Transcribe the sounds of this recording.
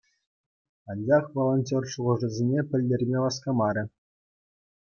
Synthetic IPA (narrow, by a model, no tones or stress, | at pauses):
ɑnʲd͡ʑɑχʋolˠonʲtʲorʂuʁɤ̆ʐɘ̆zʲenʲepʲɘ̆lʲdʲerʲmʲeʋɑskɑmɑɾʲɘ̆